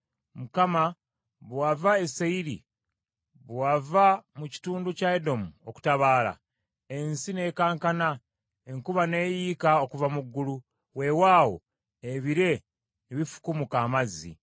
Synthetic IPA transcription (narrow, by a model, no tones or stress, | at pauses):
mukama | βwavaeseiɾḭ | βwavamuci̥tuːnducaedo̞muo̞ku̥taβaːla̰ | ensine̞ːkaːŋkana | eŋkuβane̞ːjiːkao̞kuvamuɡːulu | we̞waːwo̞̰ | eβiɾe̞ | niβifu̥kumukaːmazːḭ